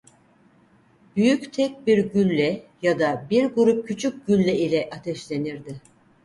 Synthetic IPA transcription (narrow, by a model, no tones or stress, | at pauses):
b̥yjyct̪ʰɛc̚biɾɟylʲːɛjad̪abiɾɡuɾup̚cʰyt͡ʃʰyc̚ɟylʲːɛilʲɛʔat̪ʰɛʃlʲe̞niɾd̪ɪ